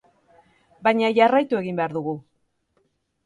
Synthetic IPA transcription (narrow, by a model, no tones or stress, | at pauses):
bajɲaʝarajt̪ue̞ɣimbe̞aɾðuɣu